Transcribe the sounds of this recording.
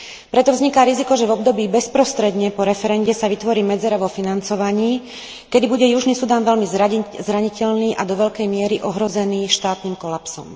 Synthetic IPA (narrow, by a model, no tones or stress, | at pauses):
pɾɛt̪ɔvzɲikaːɾizikɔʒɛvɔb̚d̪ɔbiːbɛspɾɔst̪ɾɛd̪ɲɛpɔɾɛfɛɾɛɲɟɛsaʋit̪ʋɔɾiːmɛd͡zɛɾaʋɔfinant͡sɔʋaɲiː | kɛd̪ibuɟɛjuʒniːsud̪aːnʋɛlmizɾaɲicɛʎniːʔad̪ɔʋɛʎkɛjmɪɛɾiʔɔɦɾɔzɛniːʃt̪aːt̪niːmkɔlapsɔ̰m